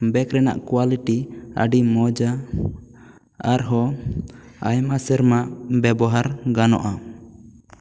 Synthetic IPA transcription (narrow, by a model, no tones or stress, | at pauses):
bɛkɾɛna̰ʔkwaliʈiə̰ɖimɔd͡ʒa | aɾɦɔ | a̰jmasɛɾmabɛbɔɦaɾɡanɔ̰ʔa